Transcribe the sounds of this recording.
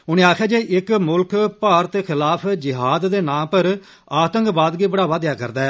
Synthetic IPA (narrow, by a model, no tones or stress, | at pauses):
ʊñẽːaːkʰaːd͡ʒeːʔɪkmʊlkpaːɾət̪eːxʰɪlaːpʰd͡ʒɪɦaːd̪d̪eːnãːpəɾ | aːt̪əŋkbaːd̪ɡiːbəɽaːʋaːd̪ɪjaːkə̰ɾd̪aː